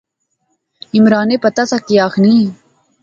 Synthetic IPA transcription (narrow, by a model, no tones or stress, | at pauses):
imɾaːnepɐt̪ɐsakiaːxniː